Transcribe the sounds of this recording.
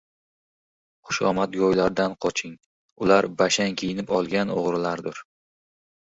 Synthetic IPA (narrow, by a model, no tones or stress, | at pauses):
χʊ̥ʃɒ̰mat̪ɡɒjlaɾd̪anqʰɒt͡ʃʰɪŋ | ʊlaɾbaʃaŋkʲʰejɪnɪpɒlˠɡʲano̰ʁɾɪlaɾd̪ʊɾ